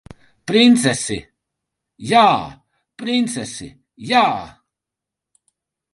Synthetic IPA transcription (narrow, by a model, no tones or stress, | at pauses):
pɾint̪sɛsḭ | jaː | pɾint̪sɛsḭ | jaː